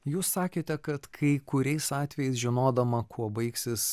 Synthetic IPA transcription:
juːsːɑːkʲeːt̪ʲɛkɐt̪kʰɐɪkʊɾʲɛɪsɑːt̪ʲʋʲɛjɛɪs̬ʒʲɪnoːd̪ɐmɐkʰuɔbɐɪksʲɪs

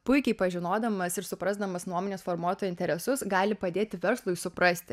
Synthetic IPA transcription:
pʊɪkʲɛɪpɐʒʲɪnoːd̪ɐmɐsɪɾsʊpɾɐzd̪ɐmɐsnuɔmoːnʲeːsfoːɾmuɔt̪ʊɪnʲt̪ʲɛɾʲɛsʊsɡɑːlʲɪpɐd̪ʲeːt̪ʲɪʋʲɛɾslˠʊɪsʊpɾɐsʲt̪ʲɪ

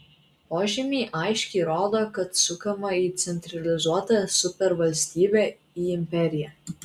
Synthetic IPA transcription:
poːʒʲɪmʲiːʔɐɪʃʲkʲɛːɾoːd̪oːkɐt̪sʊkɐmɐiːt̪sʲɛnʲt̪ʲɾʲɐlʲɪzuɔt̪ɐsʊpʲɛɾʋɐlʲsʲt̪ʲiːbʲɛˑ | iːɪmʲpʲɛɾʲɪjɛ

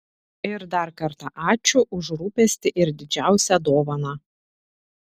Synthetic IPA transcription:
ɪɾd̪ɐɾkɐɾt̪ɑʔɑːt͡ʃʲʊʔʊʒɾuːpʲɛsʲt̪ʲɪʔɪɾd̪ʲɪd͡ʒʲæˑʊsʲɛd̪oːʋɐnɑː

